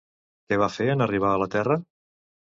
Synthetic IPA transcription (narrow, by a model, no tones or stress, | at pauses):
kɛβ̞afeənəriβ̞aələt̪ɛrə